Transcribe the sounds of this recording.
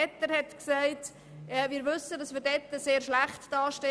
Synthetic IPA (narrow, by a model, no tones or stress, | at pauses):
ɛtːəɾhɛtksæɪt | ɛviːɾʋʏsədɑsmiːɾdɛtːəseːɾʃlæχtd̥ɑːʃte